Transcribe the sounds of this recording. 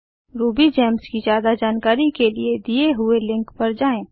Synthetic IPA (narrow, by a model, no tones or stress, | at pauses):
ɾuːbid͡ʒɛːmskizjaːd̪ad͡ʒaːnkaːɾikelied̪ijeɦʊelɪ̃ŋkpɐɾd͡ʒaːẽː